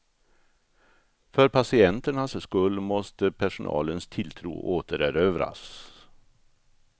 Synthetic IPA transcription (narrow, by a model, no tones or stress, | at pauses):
fœɾpʰasɪɛnt̪əɳasskɵlːmɔst̪əpʰæʂʊnʔɑ̰ːlənst̪ʰɪlt̪ʰɾṵːʔoːt̪əɾæɾøːvɾa̰s